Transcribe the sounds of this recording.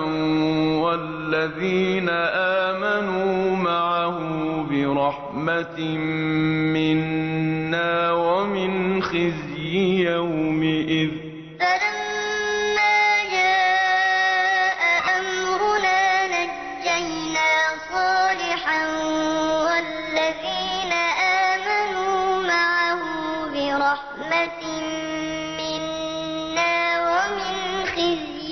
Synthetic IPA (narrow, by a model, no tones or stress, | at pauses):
nwalːaðiːnaʔaːmanuːmaʕahʊmbɪɾˤɑħ | mat̪ | mɪnː | aːwamɪnxɪz | jɪjahmɪʔɪð | falamː | aːd͡ʒaː | ʔaʔamɾʊnaːnad͡ʒːahɪnaːsˤɑːlɪħanwalːaðiːnaʔaːmanuːmaʕahʊ | bɪɾˤɑħ | mat̪ | mɪnː | aːwamɪnxɪz | ɪ